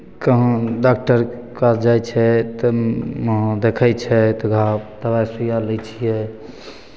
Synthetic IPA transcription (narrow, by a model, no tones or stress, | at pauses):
kəɦə̃ɖak̚ʈəɾ | kad͡ʒajt͡ʃʰɛt̪ɔmɦd̪ekʰɛjt͡ʃʰɛt̪ɔɡʱapd̪̥əbajsujalət͡ʃʰijɛ